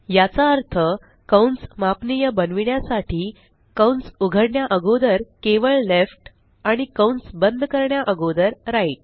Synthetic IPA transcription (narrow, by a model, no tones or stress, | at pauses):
jat͡saəɾt̪ʰə | kəwnt͡smapnijəbənʋiɳjasaʈiː | kəwnsuɡʱəɾɳjaʔəɡod̪əɾkeʋəɭlefʈ | aɽ̃ikəwnsbənd̪ʱkəɾɳjaʔəɡod̪əɾɾaiʈ̚